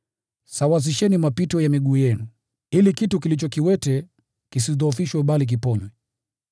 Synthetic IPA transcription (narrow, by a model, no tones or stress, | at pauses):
sawaz̬iʃɛnimapitɔjamiɠuːjɛnu | ilikitukilit͡ʃɔkiwɛtɛ | kisiðɔːfiʃwɛɓalik̬ipɔɲwɛ